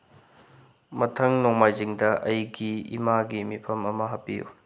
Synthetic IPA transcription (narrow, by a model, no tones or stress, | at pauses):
mɐtʰɐŋnoŋmajziŋdɐʔɐjɡiḭmaɡimipʰɐmɐmɐɦɐpːḭjṵ